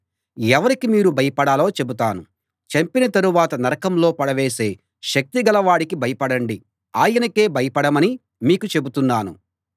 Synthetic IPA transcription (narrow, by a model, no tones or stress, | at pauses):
ɛʋɐɾikimiːɾubʱɐjɐpɐɽaːlo̞ːt͡ʃe̞but̪aːnu | t͡ʃɐmpinɐt̪ɐɾuʋaːt̪ɐnɐɾɐkɐmlo̞ːpɐɽɐʋeːse̞ː | ʃɐk̚t̪iɡɐlɐʋaːɽikibʱɐjɐpɐɽɐɳɖi | aːjɐnɐke̞ːbʱɐjɐpɐɽɐmɐni | miːkut͡ʃe̞but̪unːaːnṵ